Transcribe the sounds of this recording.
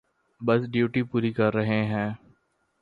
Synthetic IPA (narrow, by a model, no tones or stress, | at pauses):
bɐsɖjuːʈipuːɾikɐɾːɐɦẽɦɛ̃ː